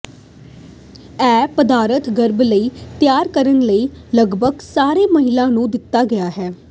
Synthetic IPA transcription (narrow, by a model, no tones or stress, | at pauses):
ɛːpəd̪aːɾət̪ɡəɾbləiːt̪ɪjaːɾkəɾənləiːləɡbʱəɡsaːɾeːməɦɪlãːnũːd̪ɪt̪ːaːɡəjaːɦɛː